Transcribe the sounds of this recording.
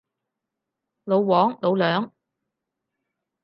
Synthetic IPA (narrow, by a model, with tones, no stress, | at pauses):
lo˨˧wwɔː˨˥ŋlo˨˧wlœː˨˥ŋ